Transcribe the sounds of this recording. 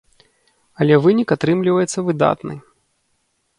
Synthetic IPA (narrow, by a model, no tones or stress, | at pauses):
ɐlʲɛvɨnʲikat̪ɾɨmlʲivɐjɛt̪sːɐvɨd̪a̰t̪nɨ̰